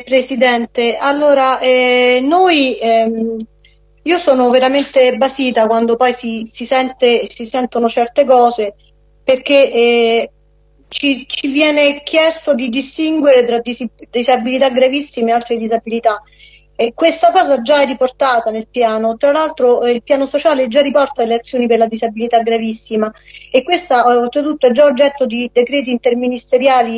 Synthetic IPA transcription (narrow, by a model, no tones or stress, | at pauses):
pɾesid̪ɛnt̪ealːoːɾaʔɛnoj | iːosɔːnoveɾament̪ebasiːt̪akwand̪opɔjsisisɛnt̪esisɛnt̪onot͡ʃɛrt̪ekɔːze | perk̟e | t͡ʃit͡ʃivjɛːnek̟jɛst̪od̪id̪ist̪iŋɡweɾet̪ɾad̪id̪izabilit̪aɡɾavisːimealt̪ɾed̪izabilit̪a | kːwest̪akɔːzad͡ʒːaɛrːiport̪aːt̪anelpjaːnot̪ɾalalt̪ɾoilpjaːnosot͡ʃaːled͡ʒːarːipɔrt̪ad̪eleat̪sːjoːniperlad̪izabilit̪aɡɾavisːimaekːwest̪aɛolt̪ɾet̪ut̪ːoɛd͡ʒːaod͡ʒːɛt̪ːod̪id̪ekɾɛːt̪̬iːnt̪erminist̪eɾjaːli